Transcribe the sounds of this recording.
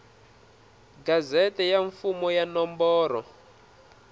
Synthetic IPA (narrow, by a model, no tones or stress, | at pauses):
ɡazɛtɛjaɱfumɔjanɔmbɔːɾɔ